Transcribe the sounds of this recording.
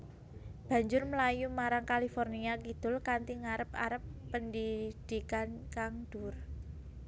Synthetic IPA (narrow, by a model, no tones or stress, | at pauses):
b̥ä̤ɲd͡ʒʊrməlajumaɾaŋkalifɔrniakid̪̥ʊ̤lkant̪iŋaɾəpa̰ɾəpːəndid̪̥i̤kankaŋd̪̥ʊ̤r